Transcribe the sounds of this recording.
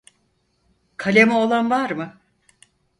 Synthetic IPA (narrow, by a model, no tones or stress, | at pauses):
kʰalʲemio̞lˠanvaɾmɯ